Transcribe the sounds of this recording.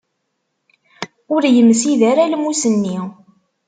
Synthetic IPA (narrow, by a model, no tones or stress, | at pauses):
ʊɾjəmːsiðæɾælmusənːi